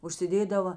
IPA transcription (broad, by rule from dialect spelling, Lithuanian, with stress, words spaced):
ʊʃʲsʲɪˈdʲeːdɐʋɐ